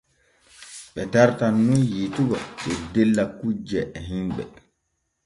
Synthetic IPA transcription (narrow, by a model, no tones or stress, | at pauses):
ɓɛtaɾtanːunjituba̰ɗɔdelːakud͡ʒɛʔɛɦimɓɛ̰